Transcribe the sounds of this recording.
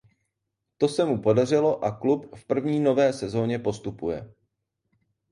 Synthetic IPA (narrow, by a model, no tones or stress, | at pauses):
t̪o̞sɛmupo̞dar̝ɪlo̞ʔaklupfpr̩vɲiːno̞vɛːsɛzo̞ːɲɛpo̞st̪upujɛ